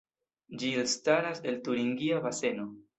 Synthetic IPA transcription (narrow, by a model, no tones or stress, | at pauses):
d͡ʒilstaɾase̞ltuɾiŋɡiavase̞no̞